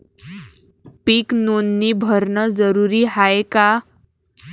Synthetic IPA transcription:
piːknonːiːbʱəɾnəd͡zəɾuɾiːɦaeka

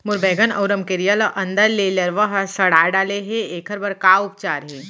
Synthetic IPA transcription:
mʊɾbɛːɡənɐ̰ʊɾəmkeɾijəlʔɐ̃nd̪əɾleːlɐɾʋəɦsɐɽaːɖaːleɦẽeːkʰəɾbɐɾkaːʊp̚t͡ʃaːɾɦɛː

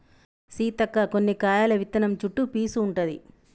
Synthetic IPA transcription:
siːt̪ɐkːɐkonːikaːjaːlɐʋit̪ːɐnɐmt͡ʃuʈːupiːsuːɳʈɐd̪ḭ

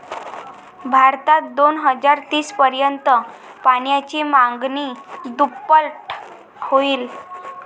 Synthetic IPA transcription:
bʱaɾt̪at̪̚d̪onɦəd͡zaɾt̪iːspəɾjənt̪ə | paɽjat͡ɕimaŋɡniːd̪upːəlʈ | hoiːl

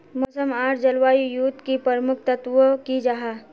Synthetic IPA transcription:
moːsəmaːɾd͡ʒəlwaːijuːt̪kipəɾmʊkʰt̪ət̪ʋokid͡ʒaɦaː

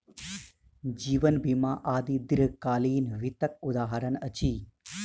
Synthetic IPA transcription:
d͡ʒiːʋɐnbimaʔaːd̪id̪iɾkaːliːnʋit̪ɐk̚ud̪aːɦɐɾɐnɐt͡ʃiː

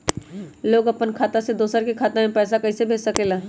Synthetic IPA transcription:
loːɡɐpənkʰaːt̪ased̪oːsəɾkikʰaːt̪amẽpɛːs̬akɐisebʱeːd͡ʒsəkelaː

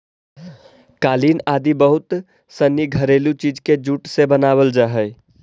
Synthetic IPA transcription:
kalinad̪ibəɦut̪ | səniɡʱəɾelut͡ʃid͡ʒked͡ʒuʈsebənabəld͡ʒaɦəj

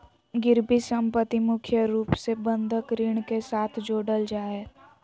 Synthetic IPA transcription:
ɡɪɾbisə̃mpət̪ːimʊkʰjəɾuːpsebə̃nd̪ʱəkɾɪɽ̃kesaːt̪ʰd͡ʒoːɖəld͡ʒaːe

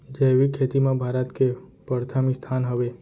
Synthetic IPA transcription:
d͡ʒeʋikʰːet̪imãbʱaɾət̪kepəɾt̪ʰamist̪ʰanɦəʋe

